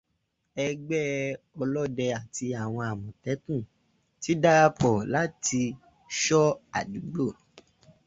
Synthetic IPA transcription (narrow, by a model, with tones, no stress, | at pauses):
ɛ˧ɡ͡bɛ˦ | ɔ˧lɔ˦dɛ˧a˨ti˧a˨w̃ɔ̃˧a˨mɔ̃˨tɛ˨˦tũ˦˨ | ti˨˦da˦k͡pɔ˨la˨˦ti˧ | ʃɔ˦a̰˨du˨˦ɡ͡bo˦˨